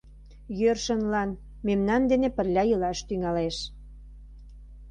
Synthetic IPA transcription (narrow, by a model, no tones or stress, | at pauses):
jørʃənlɑn | memnɑnd̪enepə̆rlʲɑjəlɑʃt̪yŋɑleʃ